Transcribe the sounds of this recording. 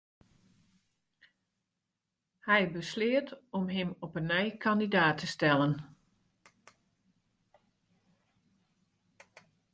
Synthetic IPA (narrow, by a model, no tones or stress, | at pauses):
hɛjbəslɪətɔmɦɪmɔpənːœjkʰandidaːtʰəstɛlˠən